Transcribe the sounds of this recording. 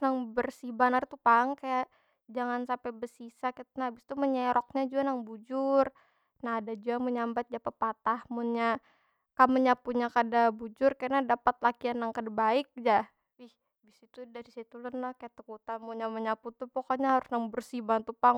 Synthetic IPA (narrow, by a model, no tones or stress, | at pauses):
naŋbərsibanart̪upaŋkajaʔ | d͡ʒaŋansapɛbəsisakit̪naabɪst̪uməɲɛɾɔk̚ɲad͡ʒuanaŋbud͡ʒʊr | naɦːdad͡ʒuaməɲambat̪̚d͡ʒapəpat̪ahmunɲa | kaməɲapuɲakadabud͡ʒʊrkanadapat̪̚lakianːaŋkadabaɪk̚d͡ʒa | wɪh | bɪsit̪udaɾisit̪ulənakajaʔt̪əkut̪amuɲaməɲaput̪upɔkoɲahaɾʊsnaŋbərsibant̪upaŋ